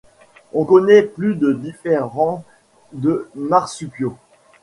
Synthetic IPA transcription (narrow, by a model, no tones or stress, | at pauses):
ɔ̃kɔnɛplyd̪əd̪ifeʁɑ̃ | d̪ənaʁsypjo